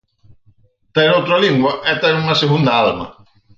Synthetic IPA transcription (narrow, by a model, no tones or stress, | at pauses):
t̪eɾot̪ɾaliŋɡwaet̪aɾumaseɣund̪aalma̰